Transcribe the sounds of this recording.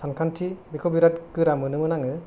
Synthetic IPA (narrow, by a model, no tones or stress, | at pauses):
sankʰantʰibikʰɔbiɾatkɯɾamɯnɯmɯnaŋɯ